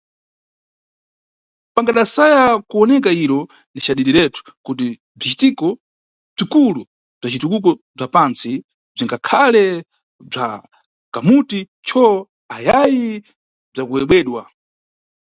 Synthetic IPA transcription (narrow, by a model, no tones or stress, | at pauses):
paŋɡaɗasajakuɔnɛkaiɾɔ | nit͡ʃaɗiɗiɾɛtu̥kut̬i | b͡ʐit͡ʃitikɔ | b͡ʐikulu | b͡ʐat͡ʃitukuk̬ɔ | b͡ʐapant͡si | b͡ʐiŋɡakʰalɛ | b͡ʐa̰ | kamuti | t͡ʃʰɔ | ajaji | b͡ʐakuwɛɓwɛːɗwa